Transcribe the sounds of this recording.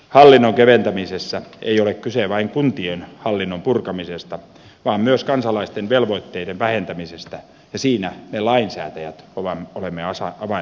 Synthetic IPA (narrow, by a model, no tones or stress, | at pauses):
hɑlːinːoŋkeʋent̪æmisesːæḛiolekkyseʋɑiŋkunt̪ienhɑlːinːompurkɑmisest̪ɑ | ʋɑːmmyøskɑnsɑlɑist̪enʋelʋoit̪ːeidenʋæhent̪æmisest̪æ | jɑsiːnænelɑinsæ̰ːt̪æjæt̪oʋɑmolemːeɑsɑɑʋɑ